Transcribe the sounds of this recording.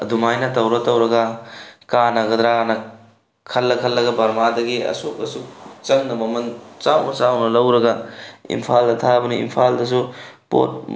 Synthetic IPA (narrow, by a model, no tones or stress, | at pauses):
ɐ̰dumajnɐtɐwɾɐtɐwɾɐɡɐkanɐɡɐdɾanɐ | kʰɐlːɐkʰɐlːɐɡɐbɐɾmadɐɡiɐ̰sok̚ɐ̰suk̚t͡ʃɐŋnɐmɐmɐnt͡ʃawnɐt͡ʃawnɐlɐwɾɐɡɐḭmpʰaldɐtʰabɐniḭmpʰaldɐs̬upo̰t̚